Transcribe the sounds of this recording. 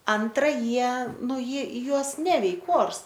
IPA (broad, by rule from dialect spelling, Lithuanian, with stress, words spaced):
ˈɐntrɐ ˈjiɛ ˈnʊ ˈjiɛ ˈjuɔs ˈnʲæːʋʲɛɪk ˈoːrs